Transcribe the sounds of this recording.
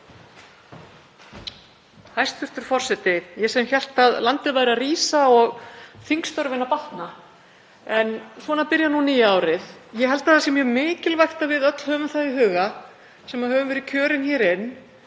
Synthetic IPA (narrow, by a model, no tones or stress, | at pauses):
hajst̪fʏr̥t̪ʏɾ̥fɔr̥sɛt̪ɪjɛsɛmçɛl̥t̪aðlant̪ɪðvajɾariːsaɔɣθiŋkst̪œɾvɪnapaht̪na | ɛnsvɔːnaɾpɪɾjanuniːjaːwɾɪðjɛɦɛlt̪aðθasɛmjɛmɪːcɪlvajxt̪avɪðœt̪l̥hœːvʏmθajðɪɦʏːɣa | sɛmaðɦœːvʏmvɛɾɪðcʰœːɾɪnçɛːɾɪnː